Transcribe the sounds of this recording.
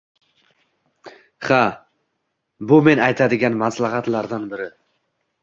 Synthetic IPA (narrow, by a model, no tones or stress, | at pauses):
χa | bʊme̞najt̪ʰad̪ɪɡʲanmaslˠaɦat̪laɾd̪anbɪɾɪ